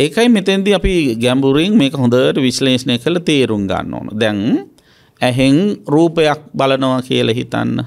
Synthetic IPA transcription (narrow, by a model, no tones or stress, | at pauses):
ekajmet̪end̪iapiɡæmbuɾiŋmeːkəɦond̪əʋəʈəʋisleːsnəkələt̪eːɾuŋɡa̰nːo̰ːnə̰d̪ɛŋ | æɦeŋruːpəjak̚balənəʋakḭjəlaɦḭt̪a̰nːə̰